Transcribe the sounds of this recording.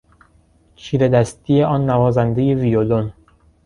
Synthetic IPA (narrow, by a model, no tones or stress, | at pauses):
t͡ʃʰiːɾed̪æst̪ijeʔɒːnːævɒːzænd̪ejevijolon